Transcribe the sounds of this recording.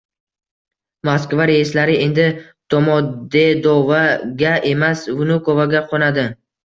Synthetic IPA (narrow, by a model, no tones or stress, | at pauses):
maskvaɾejɪslaɾɪe̞nd̪ɪ | t̪ʰomɒd̪ed̪ovaɡʲaʔe̞masvʊnʊkovaɡʲaqʰonad̪ɪ